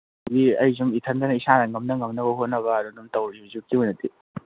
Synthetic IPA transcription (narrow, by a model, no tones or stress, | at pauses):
ɡiɐjzuŋitʰɐndɐnɐisanɐŋɐmnɐŋɐmnɐβɐɦotnɐβɐːɾunumtɐwɾizukiɦojnɐti